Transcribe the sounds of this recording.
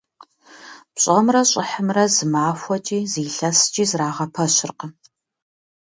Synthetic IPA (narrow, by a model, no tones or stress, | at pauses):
pɕʼɐmrɐɕʼɪħəmrɐzɨmaːxʷɔt͡ʃʼiːziːɬɐst͡ʃʼiːzraːʁɐpʰɐɕɪrqə